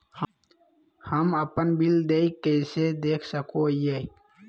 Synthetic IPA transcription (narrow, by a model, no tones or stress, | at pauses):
h | həmɐpənbild̪eikesed̪eːkʰsəkoije